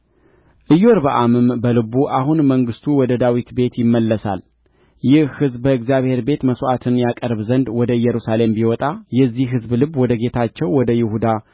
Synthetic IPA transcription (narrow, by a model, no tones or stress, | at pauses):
ʔɨjoɾbəʔamɨmbəlɨβuʔahunməŋɡɨst̪ʰuwɔd̪əd̪awit̪be̞t̪jɪmːəlːəsa̰l | jɪhhɨzbbəɨɡzijaβhe̞ɾbe̞t̪məsʔat̪ʰɨnjakʼəɾβzənd̪wɔd̪əjɛɾusale̞mbiwɔt̪ʼajɛzːiɦɨzblɨbwɔd̪əɡe̞t̪ʰat͡ʃːɛwwɔd̪əjɪhud̪a